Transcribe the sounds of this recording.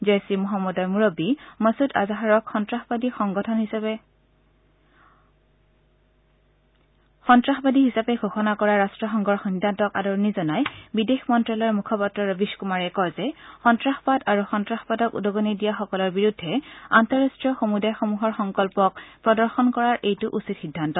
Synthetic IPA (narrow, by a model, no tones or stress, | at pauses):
zesimɔɦamːɔdɔɹmuɹobimasuta̰zaɦaɹɔkxɔntɹaxbadixɔŋɡɔtʰɔnɦisa | xɔntɹaxbadiɦisapɛɡʱoxɔnakɔɹaɹastɹɔxɔŋɡʱɔɹxindʱantɔka̰dɔɹɔnizɔnajbidexmɔntɹalɔɹmukʰɔpatɹɔɹɔbiʃkumaɹɛkɔjzɛxɔntɹaxpadaɹuxɔntɹaxɔpadɔkṵdɔɡɔnidijaxɔkɔlɔɹbiɹudʱːɛantɔɹastɹijɔxomudajxomuɦɔɹxɔŋkɔlpɔkpɹɔdɔɹxɔnkɔɹaɹʔejtʊʔusitxidʱːantɔ